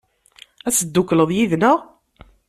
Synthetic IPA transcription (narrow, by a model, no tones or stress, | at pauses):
æsəd̪ːukːləðˤjiðnəʁ